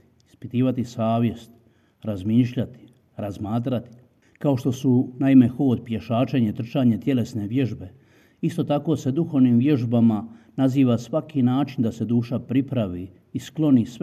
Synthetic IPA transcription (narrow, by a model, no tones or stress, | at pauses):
ispit̪iːʋat̪isaːʋje̞st̪ | ɾazmiːʃʎat̪i̥ | ɾazmaːt̪̬ɾat̪i̥ | kao̞ʃt̪o̞sunaime̞xo̞ːd̪̚pjeʃaːt͡ʃeɲe̞t̪r̩t͡ʃaːɲe̞t̪je̞le̞sne̞ʋje̞ʒbe̞ | ist̪o̞t̪ako̞ːse̞d̪uxo̞ʋniːmʋje̞ʒbamanaziːʋasʋakinaːt͡ʃind̪ase̞d̪uːʃapɾipɾaʋiː | sklˠo̞nis